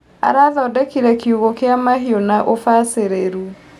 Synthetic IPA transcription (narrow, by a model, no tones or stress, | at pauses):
a̰ɾaðɔːdɛkiɾɛkiuɣokeamaɦionaʔofaseɾeɾu